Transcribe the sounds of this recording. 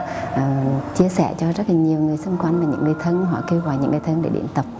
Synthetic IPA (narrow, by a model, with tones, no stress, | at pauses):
ʔt͡ɕi˧əsɛ̰˧˩t͡ɕɔ˧zə˦˥t̚laː˨˩ɲi˨˩əwŋɨ˨˩əjsə˧wŋ͡mkwa˧jŋmaː˨˩ɲɨ̰˧˥ŋːɨ˨˩əjt̪ʰə˧nɦɔ̰˧˩ke˧wɣaː˨˩jɲɨ̰˧˥ŋːɨ˨˩t̪ʰə˧nɗḛ˧˩ɗḭ˧˩ənt̪ə˨˩p̚